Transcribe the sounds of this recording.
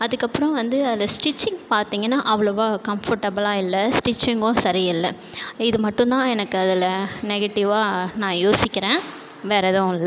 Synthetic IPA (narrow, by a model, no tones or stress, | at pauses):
ɐðɯkːɐpːɯɾɔ̃ʋɐnd̪ɯɐlɐsʈɪt͡ʃːɪŋɡpaːɾt̪iːŋɡɐnːaːʔɐʋɐɭɐʋoːkɐmfɔɾʈɐbɐlaːɪlːɐsʈɪt͡ʃːɪŋɡʊ̃sɐɾɪɪlːɐ | ɪðɯmɐʈːʊ̃nt̪ãːɛnɐkːɯɐðɪlɐnɛɣɛʈːɪʋaːnãːjoːsɪkʲːɪɾẽː | ʋeːɾɐðõlː